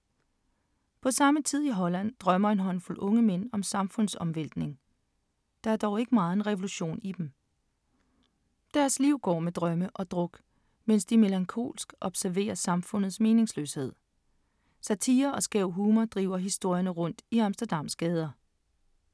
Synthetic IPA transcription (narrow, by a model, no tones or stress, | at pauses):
pʰɒ̽sɑ̈mət͡sʰið̰ˠiɦɒ̽læn̰d̥ʁɶmɐe̝nɦɒ̽n̰fulʔɔ̽ŋəmen̰ɒ̽msɑ̈mfɔ̽n̰sɒ̽mʋel̰d̥ne̝ŋ | d̥ɑ̈æɐd̥ɒʊe̝ɡ̥əmɑ̈ːð̞̩ˠe̝nʁɛʋo̝luɕo̝̰ːnid̥em | d̥æɐsliʊ̰ɡ̥ɒ̰ːmed̥ʁɶməʔɒ̽d̥ʁɔ̽ɡ̥ | men̰sd̥ime̝læŋkʰo̝̰ːlsɡ̥ɒ̽b̥sæɐʋe̝̰ːɐsɑ̈mfɔ̽n̰ð̩ˠsme̝ːne̝ŋslø̰she̝ð̰ˠ | sæt͡sʰiːɐɒ̽sɡ̥ɛʊ̰ɦuːmɐd̥ʁḭːʊɐɦisd̥o̝ɐ̰jɐnəʁɔ̽n̰d̥iɑ̈msd̥ɐd̥ɑ̈m̰sɡ̥ɛːð̞ˠɐ